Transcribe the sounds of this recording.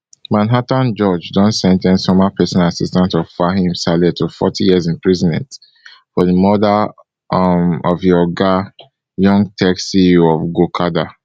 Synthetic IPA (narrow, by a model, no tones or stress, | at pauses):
mãnɦatãnd͡ʒɔd͡ʒdɔ̃nsɛ̃ntʰɛ̃nsomapʰɛsɔ̃nasistãntɔv̥faɦĩmsalɛtʰofɔ̰tʰijizĩnpɹizĩnɛ̰̃nt | fɔðəmɔda | mɔvjɔɡa | jɔ̃ŋɡtʰɛksiɔvɡokʰada